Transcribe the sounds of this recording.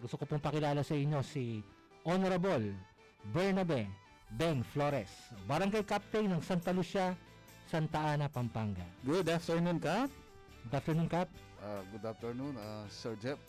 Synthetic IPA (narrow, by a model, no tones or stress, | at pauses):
ɡʊst̪okopʊmpɐkɪlaːlɐsɐʔɪɲːo̞si | ʔonoɾɐbol | bɛɹnɐbɛ | bɛŋfloɾɛsbɐɾɐŋɡajkap̚t̪ɛjnɐŋsɐnt̪ɐlusɐ | sɐnt̪ɐʔaːnɐpɐmpaŋɡɐ̰ɡʊd̪aft̪ɛɹnunkap̚ | ɡʊd̪aft̪ɛɹnunkap̚ | ʔaɡʊd̪aft̪ɛɹnunasɛɹd͡ʒɛp̚